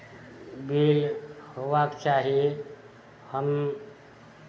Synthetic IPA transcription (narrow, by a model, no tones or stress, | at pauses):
bilhoʋakt͡ʃaɦie | həm